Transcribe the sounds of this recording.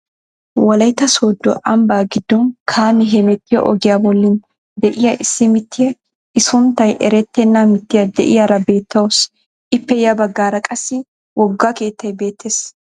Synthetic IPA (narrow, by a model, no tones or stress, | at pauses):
wɐlɐjt̪ːɐsoːd̪ːɔʔɐmbaːɡɪd̪ːɔnkʰaːmɪɦɛmɛt̪ːɪjɔ̰ʔɔ̰ɡɪjabɔlːɪn | d̪ɛʔɪjɐʔɪsːɪmɪt̪ːɪjɐ | ɪsʊnt̪ːɐjʔɛɾɛt̪ːɛnːamɪt̪ːɪjɐd̪ɛʔɪjɐɾɐbe̞ːt̪ʰːɐwɔs | ɪpːɛjɐbɐɡːaːɾɐkʼɐsːɪ | wɔɡːake̞ːt̪ːɐjbe̞ːt̪ːeːs